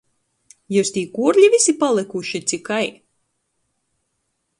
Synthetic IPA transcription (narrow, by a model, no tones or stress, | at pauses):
juːst̪ʲiːkuɔɾʎʲivisipalˠɨkuʃit̪sʲikaj